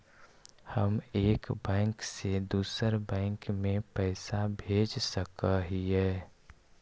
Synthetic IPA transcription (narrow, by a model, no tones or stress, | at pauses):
həmeːkbɛ̃ːŋksed̪uːsəɾbɛ̃ːŋkmẽpɛɪsabʱeːd͡ʒsəkəɦiɦɛː